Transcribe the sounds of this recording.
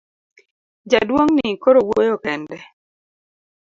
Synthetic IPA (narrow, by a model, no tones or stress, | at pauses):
d͡ʒadwoŋnɪkoɾowojokɛndɛ